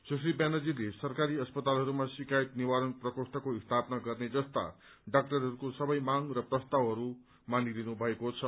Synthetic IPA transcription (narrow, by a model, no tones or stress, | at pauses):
sus̬ibanʌd͡zilesʌrkaɾiʌspʌt̪alɦʌɾumasikajt̪niwaɾʌnprʌkosʈʌkoist̪ʰapnaɡʌrned͡zʌst̪a̰ | ɖakʈʌɾɦʌɾukosʌbʌjmaŋrʌprʌst̪awɦʌɾu | manilinubʱʌekot͡sʰʌ